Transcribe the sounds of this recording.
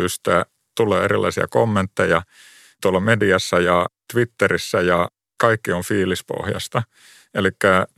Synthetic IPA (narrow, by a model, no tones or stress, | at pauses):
yst̪æ | t̪ulːˑeːerilʔɑ̰isiɑ̰komːent̪ːejɑ | t̪uolːɑmediɑsːɑjɑt̪ʋit̪ːerisːæjɑ | kɑikːioɱfiːlispo̰hjɑ̰st̪ɑ | elikːæ